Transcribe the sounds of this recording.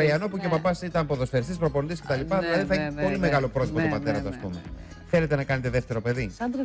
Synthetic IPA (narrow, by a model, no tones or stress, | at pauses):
ɐiɐnopuceopɐbɐsit̪ɐmpo̞ðo̞sfeɾist̪ispɾo̞po̞nd̪isce̞t̪ɐlipɐðilɐðiθɐeçpo̞limeɣɐlo̞pɾo̞t̪ipost̪pɐt̪e̞ɾɐt̪oɐspume | θe̞le̞t̪e̞nɐkɐnet̪e̞ðeft̪e̞ɾo̞pe̞ði